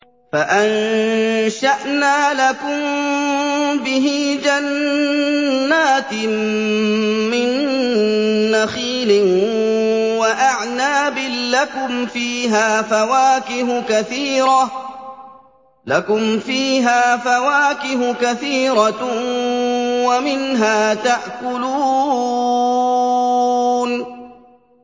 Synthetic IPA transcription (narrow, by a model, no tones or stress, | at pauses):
faʔan | ʃaʔnaːlakʊm | bɪɦɪd͡ʒan | aːt̪ | mɪn | axiːlɪ | waʔaʕnaːbɪlːakʊmfiːɦaːfawaːkɪɦʊkaθiːɾɑ | lakʊmfiːɦaːfawaːkɪɦʊkaθiːɾɑ | wamɪnɦaːt̪aʔkʊluː | n